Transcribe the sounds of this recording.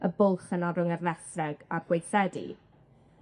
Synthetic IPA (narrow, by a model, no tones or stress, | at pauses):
əbʊlˠχənaɾʊŋərlɛstrɛɡ̥aɡ̥wejsɛdḭ